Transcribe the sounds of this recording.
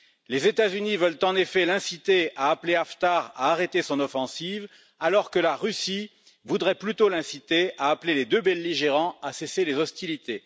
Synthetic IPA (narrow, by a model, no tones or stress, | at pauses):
lezet̪azynivœlt̪ɑ̃nefɛlɛ̃sit̪eaːpleaft̪aʁa̰ːʁet̪esɔ̃nɔfɑ̃siv | alɔʁkəlaʁysi | vud̪ʁɛplyt̪olɛ̃sit̪eaːpleled̪øbɛlːiʒeʁɑ̃aseselezɔst̪ilit̪e